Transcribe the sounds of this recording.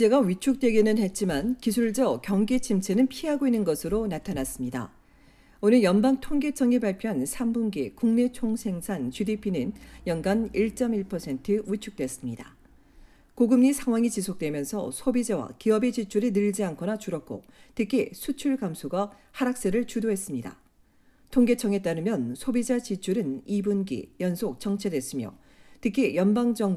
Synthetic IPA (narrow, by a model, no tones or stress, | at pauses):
d͡ʑe̞ɡaɥit͡ɕʰuk̚t͈we̞ɡinɯnhe̞t̚t͡ɕ͈imankisʰuɭd͡ʑʌkjʌŋɡet͡ɕʰimt͡ɕʰe̞nɯnpʰiɦaɡoinːɯnɡʌsʰɯɾonatʰanas͈ɯmɲida̰ | onɯnjʌnbaŋtʰoŋɡe̞t͡ɕʰʌŋipaɭpʰjoɦansʰambunɡekuŋne̞t͡ɕʰoŋsʰe̞ŋsʰant͡ɕudipʰinɯnjʌnɡaniɭt͡ɕ͈ʌmiɭpʰʌsʰe̞ntʰɯwit͡ɕʰuk̚t͈we̞s͈ɯmɲida | koɡɯmɲisʰaŋwaŋit͡ɕisʰok̚t͈we̞mjʌnsʰʌ̰sʰobid͡ʑawa̰kiʌbet͡ɕit͡ɕʰuɾinɯɭd͡ʑiɦankʰʌnat͡ɕuɾʌk͈o̰tʰɯkʰisʰut͡ɕʰuɭɡamsʰoɡa | haɾak̚s͈eɾɯɭt͡ɕudoɦe̞s͈ɯmɲida̰ | tʰoŋɡe̞t͡ɕʰʌŋe̞t͈aɾɯmjʌnsʰobid͡ʑat͡ɕit͡ɕʰuɾɯnibunɡḭjʌnsʰok̚t͡ɕʌŋt͡ɕʰe̞dwes͈ɯmjʌ̰ | tɯkʰijʌnbaŋd͡ʑʌŋ